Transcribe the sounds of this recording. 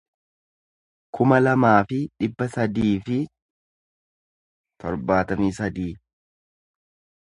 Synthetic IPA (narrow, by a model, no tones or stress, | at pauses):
kʰʊmɐlɐmaːfɪᶑɪbːɐsɐd̪iːfɪ | t̪ʰɔɾbaːt̪ɐmiːsɐd̪iː